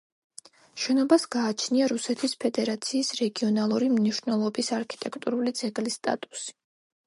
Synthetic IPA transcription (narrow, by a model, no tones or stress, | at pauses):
ʃɛnɔbasɡ̥aːt͡ʃʰniaɾusɛt̪ʰispʰɛd̪ɛɾat̪sʰiːsɾɛɡiɔnalˠuɾimniʃnɛlˠɔbisaɾkʰi̥t̪ʼɛkʰt̪ʼuɾulid̪zɛɡlist̪ʼa̰t̪ʼu̥si̥